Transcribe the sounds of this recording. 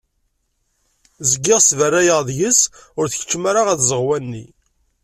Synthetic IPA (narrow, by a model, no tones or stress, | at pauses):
zəɡːɪʁsvərːæjəʁðjəsʊɾθəçə̥t͡ʃːmaɾaʁæθzəʁwænːi